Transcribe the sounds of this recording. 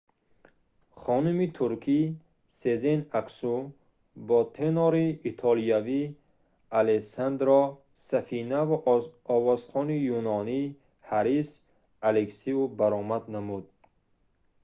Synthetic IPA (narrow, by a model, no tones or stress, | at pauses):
χɔnumit̪ʰuɾkʰi | sezenaksu | bɔt̪ʰenɔɾiːt̪ʰɔliavi | alesand̪ɾɔ | safinavuɔvɔz̥χɔnijunɔni | haɾis | aleksiubaɾɔmad̪namud̪̚